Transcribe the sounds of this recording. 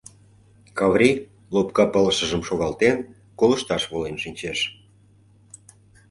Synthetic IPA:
kɑβɾʲi | lopkɑpələʃə̆ʒəmʃoɣɑlt̪en | kolə̆ʃt̪ɑʃβolenʃinʲt͡ɕeʃ

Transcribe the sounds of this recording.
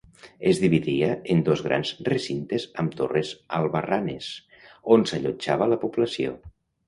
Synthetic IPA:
ezðiβiðiaend̪ozɣɾa̰nzresint̪ezəmt̪o̰rezalˠβaranḛs | onsaʎod͡ʒaβalapuplasio̰

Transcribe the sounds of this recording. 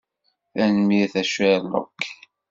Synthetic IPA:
θænəmiθæʃælo̰kʰː

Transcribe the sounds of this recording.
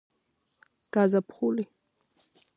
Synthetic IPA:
kazapχuli

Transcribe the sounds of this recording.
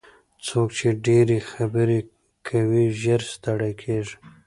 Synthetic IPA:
t͡sʰokt͡ʃʰeɖeɾexabəɾe | kʰawiʒəɾst̪aɽajkʰeʒ

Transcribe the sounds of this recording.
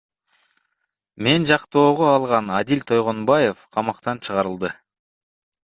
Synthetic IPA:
me̞nd͡ʒɑqt̪o̞ːʁoɑlˠʁɑnad̪ilʲt̪ʰo̞jʁo̞nbɑjefqʰɑmɑqt̪ɑnt͡ʃʰɯʁɑɾɯlˠd̪ɯ

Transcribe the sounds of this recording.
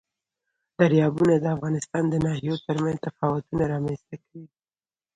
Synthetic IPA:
d̪̥aɾjɑbunad̪əafɣɑnɪst̪ɑnd̪ənɑɦijot̪əɾmanzt̪afɑwat̪unaɾɑmanst̪akawi

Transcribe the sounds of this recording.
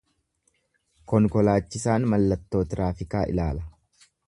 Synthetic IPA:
kɔŋkɔlaːt͡ʃːɪsaːnmɐlːɐt̪ːo̞ːt̪ɪɾaːfɪkaːʔɪ̰laːlɐ

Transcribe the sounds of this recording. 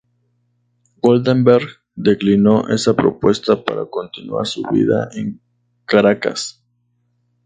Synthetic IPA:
ɡold̪embeɾɡ | d̪e̞klino̞ʔe̞̰sapɾo̞̰pwe̞st̪apa̰ɾako̞nt̪inwa̰ɾsuβḭða̰ʔeŋ | kaɾaka̰s

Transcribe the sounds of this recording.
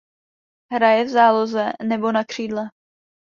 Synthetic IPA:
ɦɾajɛvzaːlo̞zɛnɛbo̞nakr̝̥iːdlɛ

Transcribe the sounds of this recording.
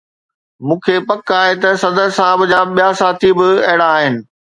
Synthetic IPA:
mũːkʰepɐkaːɦet̪ɐsɐd̪əɾsaːɦbd͡ʑaːɓijasaːt̪ʰibɪɐɦɪɽaːɦɪnɪ̆

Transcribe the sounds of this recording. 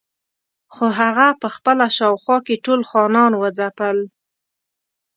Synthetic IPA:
xoɦaɣapəxpəlaʃɑwxwɑkeʈolxɑnɑnwəd͡zapəl

